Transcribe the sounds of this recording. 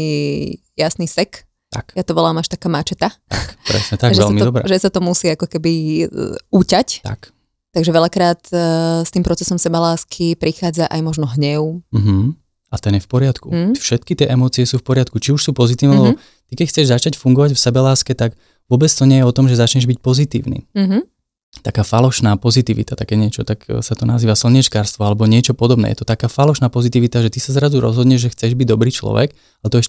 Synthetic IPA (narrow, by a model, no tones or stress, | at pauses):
i | jasnisɛk | t̪a̰kjat̪ɔʋɔlaːmaʃt̪akaːmat͡ʃɛt̪at̪a̰kpɾɛ̰sɲɛt̪aɡʒʋɛɛlmid̪ɔbɾɛ̰ʒɛsat̪ɔmusiːakɔkɛbi | uːcact̪a̰k | t̪aɡʒɛʋɛʎakɾaːt̪st̪iːmpɾɔt͡sɛsɔmsɛbalaːskʰipɾixaːd͡zaʔajmɔʒnɔɦɲɛʊm̩ɦ̩ | at̪ɛnjɛfpɔɾɪat̪kufʃɛt̪kit̪ɪɛʔɛmɔːt͡siɛsuːfpɔɾɪat̪kut͡ʃiuʃsuːpɔzit̪iːʋnɛlɛbɔ | t̪ikɛcxt͡sɛʒzat͡ʃacfuŋɡɔʋaɟfsɛbɛlaːskɛt̪aɡ | ʋʊɔbɛt͡st̪ɔɲɪɛjɛɔt̪ɔmʒɛzat͡ʃɲɛʒbic̚pɔzit̪ḭːʊnḭːɦ | t̪akaːfalɔʃnaːpɔzit̪iːʋḭt̪at̪akɛːɲɪɛt͡ʃɔt̪aksat̪ɔnaziːʋasl̩ɲit͡ʃkaːɾst̪ʋɔalɛbɔɲɪɛt͡ʃɔpɔd̪ɔbnɛ̰jɛ̰t̪ɔt̪akaːfalɔʃnaːpɔzit̪iːʋit̪aʒɛt̪isazɾazuɾɔ̰zɦɔd̪ɲɛʒʒɛxt͡sɛʒbiɟd̪ɔbɾiːt͡ʃlɔ̰ʋɛ̰k | aɛt̪ɔɛʃ